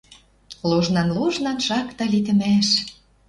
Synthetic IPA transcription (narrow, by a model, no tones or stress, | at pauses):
luʒnɑnluʒnɑnʃɑkt̪ɑlit̪ɘ̆mæʃ